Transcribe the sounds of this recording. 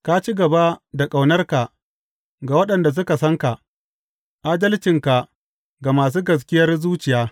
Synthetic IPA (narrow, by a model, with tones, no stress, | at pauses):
ka˦t͡ʃi˦ɡɐ˨ba˦da˨kʼa˨wnɐ˦rka˨ | ɡa˨wɐ˦ɗɐ˨nda˨s̬ʊ˦ka˨sɐ˦ŋka˨ | ʔaː˦dɐ˦lt͡ʃɪ˨ŋka˨ | ɡa˨maː˨s̬uː˦ɡɐ˨s̬kʲɪ˦jɐ˦rzuː˦t͡ʃɪ˨jaː˦